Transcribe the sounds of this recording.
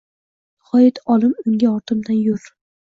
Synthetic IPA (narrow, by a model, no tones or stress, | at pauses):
χɒjɪt̪ʰɒlˠɪmʊŋɡʲaɒɾt̪ʰɪmd̪anjʊɾ